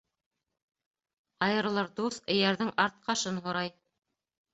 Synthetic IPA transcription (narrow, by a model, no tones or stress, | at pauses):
ɑjɤ̆ɾlˠɤɾd̪usɘ̆jæɾðɘŋʔɑɾt̪̚qɑʃɤnɦŏɾɑj